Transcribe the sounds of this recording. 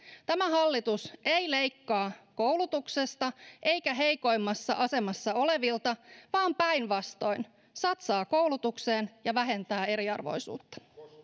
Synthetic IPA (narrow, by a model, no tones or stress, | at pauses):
t̪æmæɦɑlːit̪usejle̞jkːɑːkowlut̪ukse̞st̪ɑʔe̞jkæɦe̞jko̞jmːɑsːɑ̰ʔɑse̞mɑsːɑo̞le̞ʋilt̪ɑʋɑːmpæjnʋɑst̪o̞in | sɑt̪sɑːkowlut̪ukseːnjɑʋæɦe̞nt̪æːe̞ɾiɑ̰rʋo̞̰jsṵːt̪ːɑ̥